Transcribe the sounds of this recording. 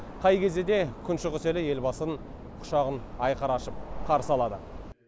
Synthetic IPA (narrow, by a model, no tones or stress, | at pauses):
qʰɑjkʲʰe̞zd̪ed̪e̞kʲʰʏnʃɪʁʏse̞lɪje̞lbɑsən | qʰʊ̥ʃɑʁənɑjqɑɾɑʃəp̚qʰɑɾəsəɑlˠɑd̪ə